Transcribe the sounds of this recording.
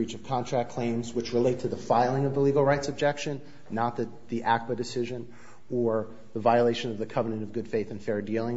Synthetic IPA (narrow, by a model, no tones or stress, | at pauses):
it͡ʃʌv̥kʰɑ̃ntʰɹ̥æk̚kʰl̥ẽɪ̃mzwɨt͡ʃɹɨleɪtʰɨðəfaɪlˠɪ̃ŋʌvðəliɡl̩ˠɹaɪtsɨb̚d͡ʒɛkʃɨ̃nː | ət̪̚ðɨt̪̚ðiʔæk̚wɨdɨsɪʒɨ̃n | ə˞ | ðəvaɪəleɪʃɨ̃nʌvðɨkʰʌvənɨ̃ɾ̃ʌvɡʊd̥feɪθɨ̃n̩fɛɹdilˠɪ̃ŋ